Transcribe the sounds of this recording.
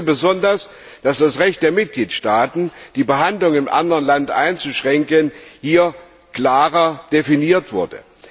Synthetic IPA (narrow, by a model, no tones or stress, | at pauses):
bəzɔndɐs | d̥asd̥asʁɛçt̚d̥eːɐmɪt̚ɡ̥liːtʃtaːtn̩d̥iːbəɦandlʊŋɪmʔa̰ndəʁənlantʔa̰ɪnt͡suʃʁ̥ɛŋkənhiːɐ | kl̥aːʁɐd̥efiniːɐtv̥ʊɐdə̰